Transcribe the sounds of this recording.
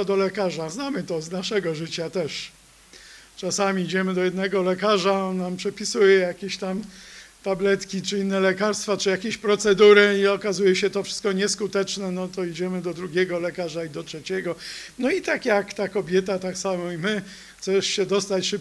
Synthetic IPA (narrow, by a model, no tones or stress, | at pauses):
ɔd̪ɔlɛkaʐaznamɘt̪ɔznaʂɛɡɔʐɘt͡ɕat̪ɛʂ | t͡ʂasamʲiid͡ʑɛmɘd̪ɔjɛd̪nɛɡɔlɛkaʐaɔnːampʂɛpʲisujɛjakʲeɕt̪amt̪ablɛt̪kʲit͡ʂɘinːɛlɛkaɾst̪fat͡ʂɨjakʲeɕpɾɔt̪sɛd̪uɾɘiɔkazujɛɕɛt̪ɔfʂɨ̥st̪̚kɔɲɛskut̪ɛt͡ʂnɛnɔt̪ɔid͡ʑɛmɘd̪ɔd̪ɾuɡʲɛɡɔlɛkaʐaid̪ɔtʂɛt͡ɕɛɡɔnɔit̪akjakt̪akɔbʲjɛt̪at̪aksamɔimɘ | xtsɛʂɕɛd̪ɔst̪at͡ɕʂɘp